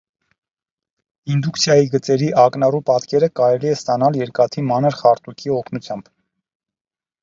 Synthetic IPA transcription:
ind̪ukt͡sʰjɑjiɡət͡sɛɾiʔɑknɑrupɑt̪kɛɾəkɑɾɛliɛst̪ɑnɑljɛɾkɑt̪ʰimɑnəɾχɑɾt̪ukʰiɔkʰnut͡sʰjɑmb̥

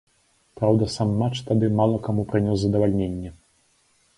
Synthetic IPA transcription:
pɾawd̪ɐsamːat͡ʂt̪ad̪ɨmalˠɐkamupɾɨnʲɔszɐd̪ɐvalʲnʲenʲːɛ

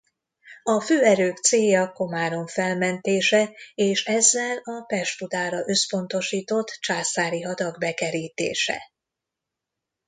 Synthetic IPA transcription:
ɒføːɛɾøːkt̪seːjɒko̞maːɾo̞ɱfɛlmɛnt̪eːʃɛeːʃɛzːɛlɒpɛʃt̪fud̪aːɾɒʔøspo̞nt̪o̞ʃiːt̪o̞t̪ːt͡ʃaːsaːɾiɦɒd̪ɒɡbɛkɛɾiːt̪ḛːʃɛ̰

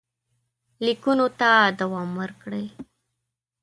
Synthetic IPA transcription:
likunot̪ad̪awɑmwəɾkɽəj

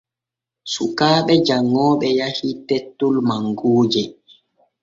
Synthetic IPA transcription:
sukaːɓɛd͡ʒaŋːɔːɓɛjahitetːulmaŋɡuːd͡ʒɛ

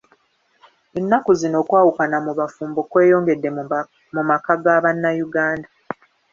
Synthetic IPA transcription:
enːakuzino̞ːkwaːwukanamuβafuːmbo̞kwe̞ːjo̞ːŋɡe̞dːe̞ | mumakaɡaβanːajuɡaːnda

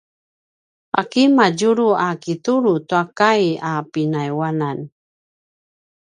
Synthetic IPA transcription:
a̰kimaɟuɾuakituɾutuakajapinajwanan

